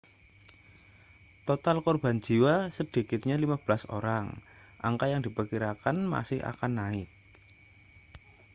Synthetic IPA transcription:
t̪ot̪alkɔrb̥a̤nd͡ʒ̥i̤wasəd̥i̤kɪt̪̚ɲalimab̥əlaso̰ɾaŋ | ʔa̰ŋkajaŋd̥̪i̤pəkiɾakanma̰sɪha̰kanːaɪt̪̚

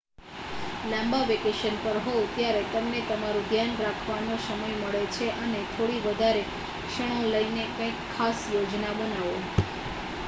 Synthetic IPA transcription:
lãmbaʋekeʃənpəɾɦot̪jaɾet̪əmnet̪əmaɾũd̪ʱjanɾakʰʋanosəməjməɭet͡ʃʰeʔənet̪ʰoɽiʋəd̪ʱaɾe | kʃəɽ̃õləjnekə̃ikʰːasjod͡ʒnabənaʋo

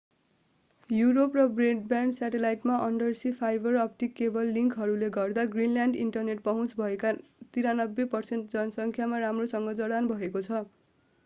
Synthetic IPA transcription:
juɾoprʌbreɖbjanɖsaʈelajʈmaʔʌɳɖʌrsipʰajbʌrʌp̚ʈikːebʌlːiŋkɦʌɾuleɡʌrd̪aɡrinljaɳɖiɳʈʌrneʈ̚pʌɦũt͡sbʱʌekat̪iɾanʌbːepʌrseɳʈ̚d͡zʌnʌsʌŋkʰjamaɾamrosʌŋɡʌd͡zʌɾanbʱʌekot͡sʰʌ

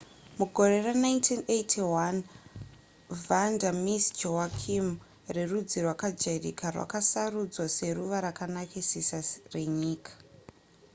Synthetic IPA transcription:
muɡʱo̞re̞ranaintʰinetʰiwan | vandamisd͡ʒoakʰim | rerud͡zirwakad͡ʒerḭkarwa̰kasarud͡zwase̞ɾuʋaɾakanakisisare̞ɲiːkʰḁ

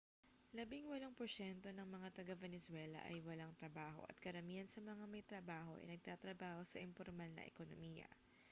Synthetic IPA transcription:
lɐbiŋwɐloŋpoʃɛnt̪o̞nɐŋmɐŋat̪ɐɡavɛnɛswɛlɐ̰ʔɐ̰jwɐlaŋt̪ɾɐbaːho̞̰ʔɐ̰t̪̚kɐɾɐmiːhɐnsɐmɐŋamɐjt̪ɾɐbaːɦo̞ʔɪ̰nɐɡ̚t̪aːt̪ɾɐbaːho̞sɐʔɪmpoɾmalnɐ̰ʔɛ̰kono̰miːjɐ̰

